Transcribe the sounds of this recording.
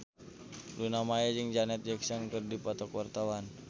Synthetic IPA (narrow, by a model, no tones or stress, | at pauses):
lunamajad͡ʒɨŋd͡ʒanɛt̪̚d͡ʒɛksɔnkɨrdipɔt̪ɔkwart̪awan